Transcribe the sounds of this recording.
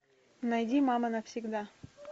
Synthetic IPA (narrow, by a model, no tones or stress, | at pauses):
nɐjdʲimamənəfsʲɪɡd̪a